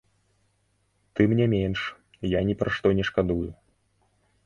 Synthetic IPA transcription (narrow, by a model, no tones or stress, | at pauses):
t̪ɨmnʲɛmʲenʂ | janʲɛpɾaʂt̪ɔnʲɛʂkad̪uju